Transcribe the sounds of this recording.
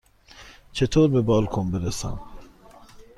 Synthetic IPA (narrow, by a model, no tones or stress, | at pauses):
t͡ʃʰet̪ʰoːɾbebɒːlkʰombeɾesæ̰m